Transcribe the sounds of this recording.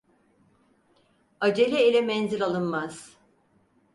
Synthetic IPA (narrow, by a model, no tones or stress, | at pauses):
ad͡ʒelʲɛilʲɛmɛnziɾʲalˠɯnmaz̥